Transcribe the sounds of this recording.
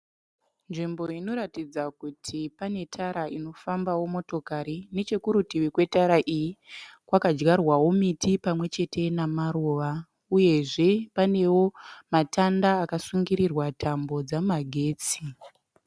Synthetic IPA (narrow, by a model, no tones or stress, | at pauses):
nʐimbo̞ino̞ɾatid͡zakutʰipane̞tʰaɾaino̞fambawo̞mo̞to̞kaɾine̞t͡ʃekuɾutiʋikwe̞taɾaʔijikwakad͡ʒɡarwawomitʰipamwe̞t͡ʃe̞te̞namaɾoːʋa | uje̞ʐe̞pane̞wo̞matandaːkasuŋɡiɾirwatʰambo̞d͡zamaɡʱe̞ːt͡si